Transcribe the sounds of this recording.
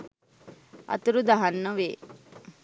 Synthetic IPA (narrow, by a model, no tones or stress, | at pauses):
ɐ̰t̪uɾud̪aɦanːəʋeː